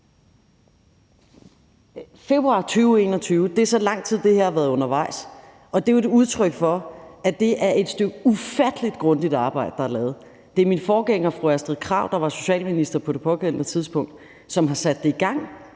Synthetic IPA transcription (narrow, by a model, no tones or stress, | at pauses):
fe̝b̥ʁuɑ̈ːt͡sʰyːʊe̝̰ːnɒt͡sʰyːʊəd̥e̝æɐsɒ̽lɑ̈ŋ̰t͡sʰið̰ˠd̥e̝heɐ̰ɑʋæɐð̩ˠɔ̽nɐʋɑ̈ɪs | ɒ̽d̥e̝oeduð̞ˠt͡sʰʁœɡ̥fɒ̽æd̥e̝ʔæɐe̝d̥sd̥øɡ̥əufæd̥əlid̥ɡ̥ʁɔ̽nd̥id̥ɑ̈ːb̥ɑ̈ɪ̰d̥əd̥ɑælɛːð̞̩ˠ | d̥e̝æɐminfɒːɡ̥eŋ̰ɐfʁoæsd̥ʁiðˠkʰʁɑ̈ʊ̰d̥ɑ̈ʋɑ̈so̝ɕɛ̰ːlminisd̥ɐpʰɒ̽d̥e̝pʰɒ̽ɡen̰nət͡sʰiðˠsb̥ɔ̽ŋ̰d̥ | sɒ̽mɦɑ̈sæd̥ːe̝iɡ̥ɑ̈ŋ̰